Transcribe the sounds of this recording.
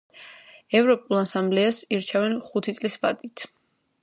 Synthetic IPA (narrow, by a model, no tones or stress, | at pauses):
ɛvɾɔpʼulˠasamblɛasiɾt͡ʃʰɛvɛnχut̪ʰit̪sʼlisba̰d̪it̪ʰ